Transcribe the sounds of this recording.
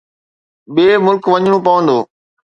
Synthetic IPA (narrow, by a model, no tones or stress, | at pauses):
ɓeːmʊlkʋɐɲɽ̃õːpɐʋə̃nd̪oː